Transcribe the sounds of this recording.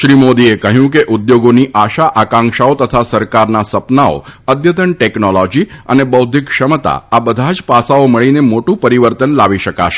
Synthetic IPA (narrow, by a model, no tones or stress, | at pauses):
ʃɾimod̪iekəɦjũkeʔʊd̪joɡoniʔaʃaʔakãŋkʃaot̪ət̪ʰasəɾkaɾnasəpnao̰əd̪jət̪əɳʈɛknolɔd͡ʒiə̰nebəwd̪ʱikʃəmət̪a̰abəd̪ʱad͡ʒpasaoməɭinemoʈũpəɾiʋəɾt̪ənlaʋiʃəka̰ʃe̥